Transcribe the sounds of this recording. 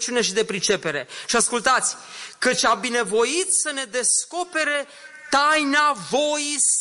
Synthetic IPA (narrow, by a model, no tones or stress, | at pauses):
t͡ʃiune̞ʃid̪e̞pɾit͡ʃe̞pe̞ɾe̞ʃiaskult̪at̪sʲ | kət͡ʃʲabine̞vo̞it̪səne̞d̪e̞sko̞pe̞ɾe | t̪ajnavo̞is